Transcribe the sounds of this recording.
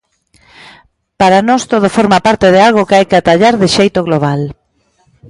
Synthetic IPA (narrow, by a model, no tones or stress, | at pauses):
paɾanɔst̪oð̞ofoɾmapaɾt̪eðɪalɣokɪajkɪat̪aʎaɾðɪʃejt̪oɣloβ̞al